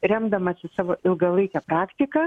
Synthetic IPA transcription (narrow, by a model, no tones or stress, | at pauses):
ɾʲɛmd̪ɐmɐsʲɪsɑːʋoːʔɪlˠɡɐlˠɐɪkʲɛpɾɑːkt̪ʲɪkɑː